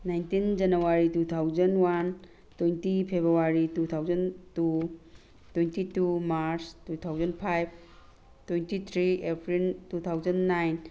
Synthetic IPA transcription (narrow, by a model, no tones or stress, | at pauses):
najntind͡ʒɐnuwaɾitut̪ʰawd͡ʒɐnwan | tojntipʰebɾuwaɾitut̪ʰawzɐntu | twejntitumaɾstutʰawzɐnpʰajp̚ʰ | twejntit̪ʰɾiepɾiltut̪ʰawd͡ʒɐnːajn